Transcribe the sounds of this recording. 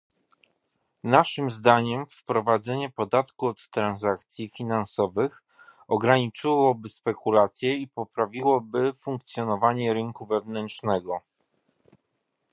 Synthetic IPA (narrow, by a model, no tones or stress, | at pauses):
naʂɘmzd̪aɲɛmfpɾɔvad̪zɛɲɛpɔd̪at̪kuɔt̪ːɾanzakt̪sʲjifʲinansɔvɘx | ɔɡɾaɲit͡ʂɘwɔbɘspɛkulat̪sʲjɛipɔpɾavʲiwɔbɘfuŋk̚t̪sjɔnɔvaɲɛɾɘŋkuvɛvnɛntt͡ʂnɛɡɔ